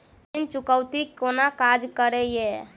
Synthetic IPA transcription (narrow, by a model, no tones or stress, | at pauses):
int͡ʃukəwt̪ikonakad͡ʒkəɾɛjɛ